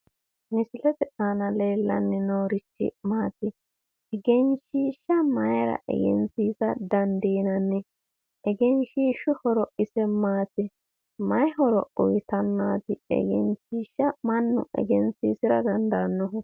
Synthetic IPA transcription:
mɪsɪlɛt̪ɛʔanɐleːlːɐ̰nːɛnoːɾɪt͡ʃːɪ̰maːt̪ɪ | ɛɡɛnʃiːʃːɐmɐjɾɐ̰ʔɛ̰ɡɛ̰nsiːsɐd̪ɐnd̪iːnɐnːɛ | ɛɡɛnʃiːʃʊhɔɾɔʔɪsɛmaːt̪ɪ | mɐjɦɔɾɔʔʊjɪt̪ɐnːaːt̪ɪɛ̰ɡɛ̰nʃiːʃːɐmɐnːʊ̰ʔɛ̰ɡɛnsiːsɪɾɐd̪ɐnd̪aːnːɔɦʊ

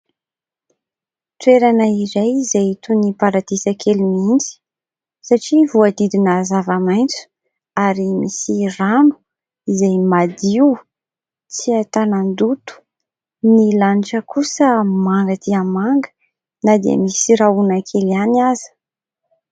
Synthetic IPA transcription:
t̪weɾanəiɾejzet̪unipaɾat̪isəkʰelimind͡zi̥ | saʈ͡ʂivuad̪id̪inazavamajnt͡su̥ | aɾimisiranu̥ | izajmad̪iw | t͡siat̪anand̪ut̪u̥ | nilaniʈ͡ʂəkusəmaŋɡət̪ʰiəmaŋɡə̥ | nad̪eə̰misiɾaunakʰelianazə̥

